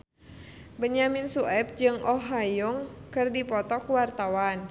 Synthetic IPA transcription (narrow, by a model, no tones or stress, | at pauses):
bəɲaminsuɛp̚d͡ʒɨŋɔɦajuŋkɨrdipɔt̪ɔkuwart̪awan